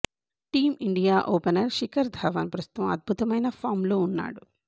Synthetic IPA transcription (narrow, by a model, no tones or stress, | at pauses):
ʈiːmiɳɖijaːʔoːpɐnɐɾʃikɐɾd̪ʱaːʋɐnpɾɐst̪u̥t̪ʋɐmɐd̪̚bʱut̪ɐmɐjnɐpʰaːɾmlo̞ːunːa̰ːɽu